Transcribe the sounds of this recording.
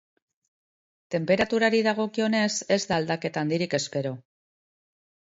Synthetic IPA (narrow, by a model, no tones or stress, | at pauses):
t̪e̞mpe̞ɾat̪uɾaɾiðaɣ̞o̞kio̞ne̞se̞zðaːld̪ake̞t̪aːnd̪iɾike̞spe̞ɾo̞